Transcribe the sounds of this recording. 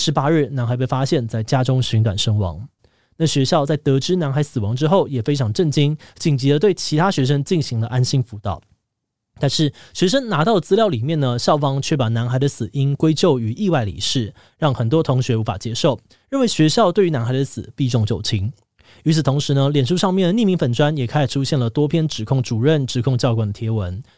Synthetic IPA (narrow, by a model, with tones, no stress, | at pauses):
ʂɻ̩˧˥pa˥ɻɻ̩˥˩na˧˥nxa˧ɪp̬e˥˩fa˥ɕjɛ˥˧nt͡sa˥˩ɪt͡ɕja˥ʈ͡ʂʊ˥ŋɕy˧˥ŋt̪wa̰˨˩nʂə˥ŋwɑ̰˧˥˦ŋ | na˥˩ɕɥɛ˧˥ɕjɑ˥˧ʊt͡sa˥˩ɪt̪ɤ˧˥ʈ͡ʂɻ̩˥na˧˥nxa˧˥ɪsɹ̩˨˩wɑ˧˥ŋʈ͡ʂɻ̩˥xo˥˩ʊjɛ˨˩fe˥ɪʈ͡ʂʰɑ˧˥ŋʈ͡ʂə˥˩nt͡ɕi˥nt͡ɕi˨˩ŋt͡ɕi˧˥lə˧t̪we˥˩ɪt͡ɕʰi˧˥t̪ʰa˥ɕɥɛ˧˥ʂ̬ə˥nt͡ɕi˥˩ŋɕi˧˥ŋlə˧ʔa˥nɕi˥ŋfu˧˥t̪ɑ̰˥˩ʊ | t̪a˥˧nʂɻ̩˥˩ɕɥɛ˧˥ʂ̬ə˥nna˧˥t̪ɑ˥˩ʊlə˩t͡sɹ̩˥ljɑ˥˩ʊli˨˩mjɛ˥˩nnə˩ɕjɑ˥˩ʊfɑ˥ŋt͡ɕʰɥɛ˥˩pɑ˨˩na˧˥nxa˧˥ɪd̪ə˧sɹ̩˨˩i˥nkwe˥ɪt͡ɕjo˥˩ʊy˨˩ʔi˥˧wa˥˩ɪləḭ˨˩ʂɻ̩˥˩ | ɻɑ˥˩ŋxə˨˩nt̪wɔ˦˥t̪ʰʊ˧˥ŋɕɥɛ˧˥u˧˥fa̰˨˩t͡ɕjɛ˥ʂo˥˩ʊ | ɻə˥˩nwe˧˥ɪɕɥɛ˧˥ɕjɑ˥˧ʊt̪we˥˩ɪy˧˥na˧˥nxa˧ɪə˧sɹ̩˨˩˦pi˥˧ʈ͡ʂʊ˥˧ŋt͡ɕjo̰˨˩ʊt͡ɕʰi˧˥ŋ | y˧˥t͡s̩ʰ˨˩t̪ʰo˧˥ŋʂɻ̩˧˦nə˧ljɛ˨˩nʂu˥˧ʂɑ˥˧ŋmjɛ˥˩nd̪ə˩ni˥˩mi˧˥ŋfə˨˩nʈ͡ʂwa˥njɛ˨˩kʰa˥ɪʂʈ͡ʂʰu˦˥ɕjɛ˥˩nlə˩t̪wɔ˥pʰjɛ˥nʈ͡ʂɻ̩˨˩kʰʊ˥˩ŋʈ͡ʂu˨˩ɻə˥˩nʈ͡ʂɻ̩˨˧˥kʰʊ˥˧ŋt͡ɕjɑ˥˧ʊkwa˨˩nd̪ə˩t̪ʰjɛ˧˥wə˧˦n